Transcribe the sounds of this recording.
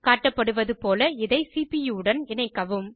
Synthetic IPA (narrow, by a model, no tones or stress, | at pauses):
kaːʈːɐpːɐɽɯʋɐðɯpoːlɐɪðɐɪsiːpijuːɽɐnɪnɐɪkːɐʋɯm